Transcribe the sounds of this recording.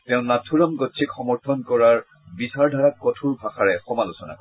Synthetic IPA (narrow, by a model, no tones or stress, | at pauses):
tɛʊ̃natʰuɹamɡɔtt͡ʃʰikxɔmɔɹtʰɔnkɔɹaɹ | bisaɹdʱaɹakːɔtʰuɹbʱaxaɹɛxɔmalusɔna̰k